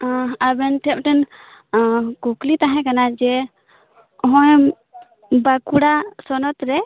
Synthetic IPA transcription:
abɛnʈʰɛp̚ʈɛn | kuklit̪aɦɛ̃kanad͡ʒɛ | ɦɔ̃j | bakuɽasɔnɔt̪ɾɛ

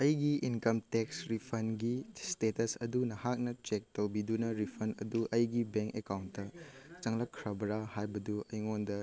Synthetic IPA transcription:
ɐjɡiinkɐmteksɾipʰɐnɡistetɐsɐdunɐhak̚nɐt͡ʃek̚towbidunɐɾipʰɐnɐ̰duʔɐjɡibeŋkekawntːɐt͡ʃɐŋlɐkʰːɾɐbɐɾahajbɐduʔɐjŋondɐ

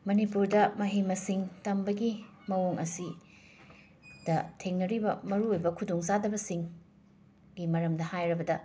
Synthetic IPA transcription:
mɐnipuɾdɐmɐɦimɐsiŋtɐmbɐɡimɐwoŋʔɐsi | d̥ɐtʰeŋnɐɾibɐmɐɾuojbɐkʰudoŋzadɐbɐsiŋ | ɡimɐɾɐmdɐhajɾɐbɐdɐ

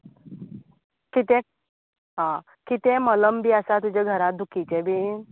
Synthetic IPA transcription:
kit̪ẽ | ɦã | kit̪ẽmələmbʱiːasat̪ud͡ʑaɡʱəɾat̪̚d̪ʱukit͡ɕebʱiː

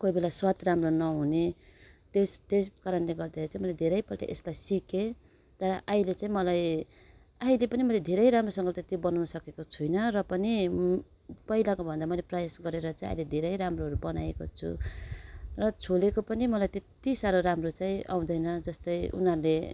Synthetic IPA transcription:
koijbelaswat̪ramronʌɦunet̪est̪eskaɾʌnleɡʌrd̪aeɾit͡sãĩmʌlajd̪ʱeɾʌjpʌʈa̰ʔḛslajsike | t̪ʌɾʌʔaĩlet͡sãĩmʌlaj | aɦĩlepʌnimʌled̪ʱeɾʌjɾamrosʌ̃ŋɡʌt̪et̪jobʌnawnʌsʌkekot͡sʰujnʌrʌpʌni | pʌɦilakobʱʌnd̪amʌjleprʌjasɡʌɾeɾʌt͡saĩa̰jled̪ʱeɾʌjɾamroɦʌɾubʌnajeko̰t͡sʰṵ | rʌt͡sʰolekopʌnimʌlajt̪et̪isaɾoɾamrot͡saĩʔa̰w̃d̪ʌjnʌd͡zʌst̪ʌjṵnɦʌɾle

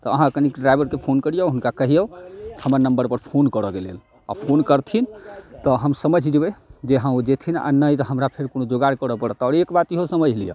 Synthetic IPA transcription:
t̪ɔəɦãəkənikɖɾajbəɾkepʰonkəɾijəɦunkakəɦijəhəməɾnəmbəɾpəɾpʰonkəɾəkelḛl | a̰pʰonkəɾt̪ʰint̪ɔɦəmsəməd͡ʒʱd͡ʒebɛd͡ʒeɦãod͡ʒet̪ʰina̰nəjt̪ɔɦəmɾapʰeɾkonod͡ʒoɡaɾkəɾəpəɽət̪ɔːɾekbat̪iɦosəməd͡ʒʱlijə̰

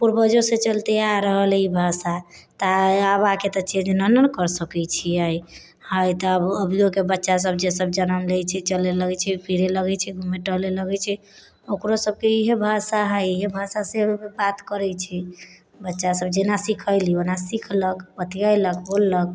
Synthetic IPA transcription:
puɾbəd͡ʒoset͡ʃəlt̪eaɾəɦəlibʱasa | t̪aəbaket̪ət͡ʃʰed͡ʒnənənkəɾsəkɛt͡ʃʰiəj | həjt̪ɔəbəbʱijokebətːʃas̬əb̚d͡ʒesəbd͡ʒənəmlejt͡ʃʰɛt͡ʃəleləɡɛt͡ʃʰɛpiɾeləɡɛt͡ʃʰɛɡʱumeʈəleləɡɛt͡ʃʰɛ | okɾosəb̚keiɦebʱasaɦəjiɦebʱasasebat̪kəɾɛt͡ʃʰɛ | bətːʃasəbd͡ʒenasikʰəɪlionasikʰləkpət̪iəjləkbolːək̚

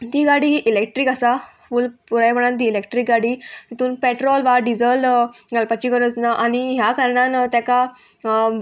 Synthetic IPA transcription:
t̪iːɡaɽiʔilek̚ʈɾiːkasafuːlpuɾajpəɳãnt̪iːlekʈɾikɡaɽiːnit̪uːnpeʈɾɔlʋaɖid͡zəlɡalpat͡ɕikəɾət͡snaʔaniɦjakaɾɳant̪jaka

